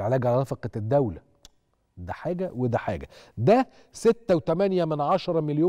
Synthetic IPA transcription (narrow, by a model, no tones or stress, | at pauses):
ʕelæːɡæʕlɾˤɑfɑqɑd̪ːæwlæ | d̪æħaːɡæwed̪æħa̰ːɡæd̪æ | set̪ːæwet̪æmænjæmɪnʕɑʃɑɾˤɑmɪljoː